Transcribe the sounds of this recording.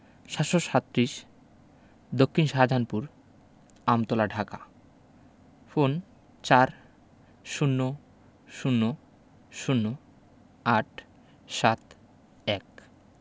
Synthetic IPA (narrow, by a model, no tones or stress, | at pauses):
ʃat̪ʃoʃat̪ːɾiʃ | d̪okʰːinʃad͡ʑʱanpuɾ | amt̪olaɖʱaka̰ | fon | t͡ɕaɾ | ʃunːo | ʃunːo | ʃunːo | aʈ | ʃat̪ | ɛk